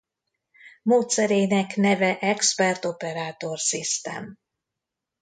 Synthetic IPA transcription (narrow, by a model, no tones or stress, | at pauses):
moːt̪sɛɾeːnɛknɛvɛʔɛkspɛrt̪o̞pɛɾaːt̪o̞rsist̪ɛ̰m